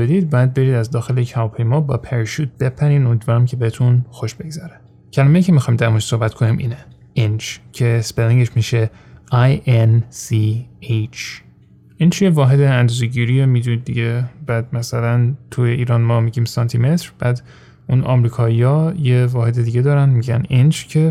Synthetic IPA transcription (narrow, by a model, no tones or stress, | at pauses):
bed̪id̪̚bææd̪̚be̞ɾiːd̪æzd̪ɒːxe̞lecʰævɒːpʰe̞jmɒːbɒːpʰeɾʃuːt̪̚b̥e̞pʰæɾiːnomid̪vɒːɾæmcʰebehet̪ʰunxoʃbe̞ɡzæɾe | cʰælæmeiːcʰemixɑːjmd̪æɾmnʃso̞hbæt̪kʰonimʔḭːne | ʔint͡ʃcʰespeliŋɡeʃmiːʃe | ajensiet͡ʃʰ | ʔint͡ʃjevɒːɦe̞d̪eænd̪ɒːzeɟiːɾijemiːd̪unid̪ːiɟebæːd̪mæsælænt̪ʰujeʔiːɾɒːnmɒːmiɟiːmsɒnt̪ʰimet̪ɾb̥æd̪ | ʔunʔɒ̰mɾiːkʰɒːijɒːje̞vɒːɦe̞d̪ed̪iːɟed̪ɒːɾænmiɟænind͡ʒcʰe